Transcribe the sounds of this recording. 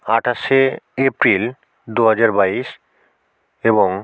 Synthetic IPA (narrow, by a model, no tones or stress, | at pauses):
aʈʰaʃeepɾil | d̪uɦad͡ʑaɾbaiʃ | eboŋ